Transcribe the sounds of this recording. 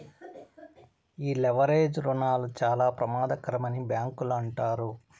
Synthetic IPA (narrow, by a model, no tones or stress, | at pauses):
iːleʋɐɾeːd͡ʒɾunaːlut͡ʃaːlaːpɾɐmaːd̪ɐkɐɾɐmɐnibjaːŋkuluɐɳʈaːɾu